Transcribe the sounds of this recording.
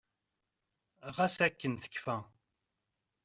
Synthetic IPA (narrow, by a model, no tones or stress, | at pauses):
ʁæsækːənθə̥kːfæ